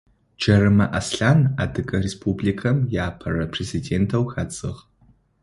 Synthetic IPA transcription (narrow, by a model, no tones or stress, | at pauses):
d͡ʒɐrɨmɐʔasɬana̰dɨkʼɐrespʰublikʰɐmjaːpʰɐrɐpʰrezidentʰɐwxat͡sʼɨ̰ʁ